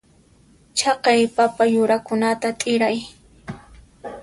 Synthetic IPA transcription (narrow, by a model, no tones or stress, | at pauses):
t͡ʃʰɑqɑjpapajʊɾakʊnat̪at̪ʼɪɾaj